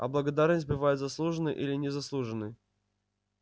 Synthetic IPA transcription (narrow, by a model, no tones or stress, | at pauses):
ɐ̰blˠəɡɐd̪arnəsʲt̚ʲbɨvajʊt̪zɐslˠuʐɨnɨjʔilʲɪnʲɪzɐslˠuʐɨnːɨj